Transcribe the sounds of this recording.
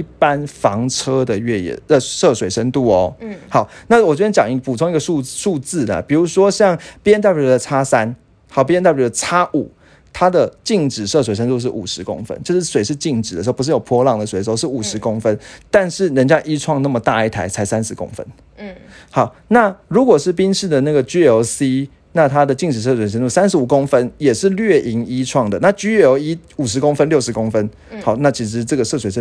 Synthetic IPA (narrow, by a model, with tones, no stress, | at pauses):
i˥˧˩pa˦nfɑ˧˦ŋʈ͡ʂʰɤ˥d̪ə˨ɥɛ˥˩jɛ̰˨˩ə˥˧˩ʂɤ˥˩swe˨˩ɪʂə˦˥nt̪u˥˩ɔ˨˩hɑ˨˦ʊna˥˩˨wɔ˨˩t͡ɕwɛ˧˥ɛ˥˩t͡ɕjɑ˨˩ŋi˧pu˨˩t͡sʰo˧˥ŋi˧˥ɡə˧ʂu˥˧ʂu˥˧t͡sɹ̩˥˩də̰˩pi˨˩ɻu˧˥ʂwɔ˥ɕjɑ˥˨ŋpjɛ˥nt̪̬a˥˩pd̪ə˧t͡sʰa˥sa˦n | xɑ˨˩ʊp̬jɛ˥nt̪a˥˩˨ɛ˧˩d̪ə˧t͡sʰa˥ʔu˨˩˦ | t̪ʰa˥d̪ə˨t͡ɕi˥˩ŋʈ͡ʂɻ̩˨˩ʂɤ˥˩s̬we˨ɪʂə˦˥nt̪u˥˧ʂ̬ɻ̩˥˩ʔu˨˩ʂɻ̩˧˦˥kʊ̰˥ŋfə̰˧˦nt͡ɕjo˥˧ʊʂɻ̩˥˩swe˨˥ɪʂɻ̩˥˧t͡ɕi˥˩ŋʈ͡ʂɻ̩˨˩d̪ə˨˩˧pu˧˥ʂ̩˥˩jo˨˩pʰwɔ˥lɑ˥˨˩ŋd̪ə˩wɪ˩˨ʂ̩˧˥˧ʊʂɻ̩˥˩˨u˨˩ʂɻ̩˧˥kʊ˥ŋfə˦nt̪a˥˧nʂɻ̩˥˩ɻə˧˦nt͡ɕja˦˥ʔi˦˥ʈ͡ʂʰwɑ˥˧ŋna˥˩mə˩t̪a˥˧i˥˩t̪ʰa˧˥ɪt͡sʰa˧˥ɪsa˦nʂɻ̩˧˥ko̰˥ŋfə̰˦˥n | hɑ˨˩˦ʊ | na˥˩ɻu˨˥kwɔ˨˩ʂɻ̩˥˩pi˥nʂɻ̩˥˩d̪ə˨na˥˩ɡə˩t͡ɕy˥jo˧˥ʊsi˦ | na˥˧t̪ʰa˦d̪ə˨t͡ɕi˥˩ŋʈ͡ʂɻ̩˨˩ʂ̬ɤ˥˩s̬ʂə˥nt̪u˥˩sa˥nʂ̩˧˥u˨˩ko˥˦ŋfə˦njɛ˨˩ʂɻ̩˥˨lɥɛ˥˩i˧˥ŋi˦˥ʈ͡ʂʰwɑ˥˩ŋd̪ə˩na˥˨t͡ɕy˥jo˧˥ʊi˦˥u˨˩ʂ̬ɻ̩˧˥ko˥ŋfə˥˦nljo˥˩ʊʂɻ̩˧˥ko˥ŋfə˦n | hɑ˨˩˦ʊna˥˩t͡ɕʰi˧˥ʂ̬ɻ̩˧˦ʈ͡ʂɤ˥˩ɡə˩ʂɤ˥˩swe˨˩ɪʂ